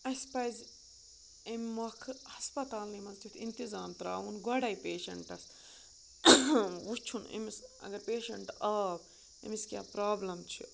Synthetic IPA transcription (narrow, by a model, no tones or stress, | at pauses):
ɐspɐjz | emːɐkʰɨhɐspɐt̪aːlnimɐnzt̪it̪ʰint̪izaːnt̪ɾaːunɡɔɽɐjpeːʃɐ̰ɳʈɐs | wut͡ʃʰunḭmisɐ̰ɡɐɾpeːʃɐɳʈɐːb | ḭmiskʲjaːpɾaːblɐmt͡ʃʰḭ